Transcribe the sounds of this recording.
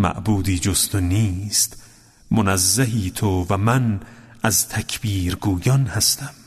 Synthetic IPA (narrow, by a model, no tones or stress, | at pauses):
mæ̰ʔbuːd̪iːd͡ʒost̪ʰoniːst̪ | monæzːæɦiːt̪ʰovæmæn | ʔæzt̪ʰækʰbiːɾɡuːjɒnhæst̪æm